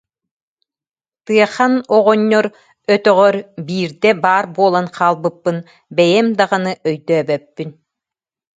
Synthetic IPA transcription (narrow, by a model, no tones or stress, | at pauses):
t̪ɯɐχanɔʁɔɲːɔɾ | œt̪œʁœɾbiːɾd̪ɛbaːɾbuɔlˠanqʰaːlˠbɯpːɯn | bɛjɛmd̪aʁɯnɯʔœjd̪œːbɛpːyn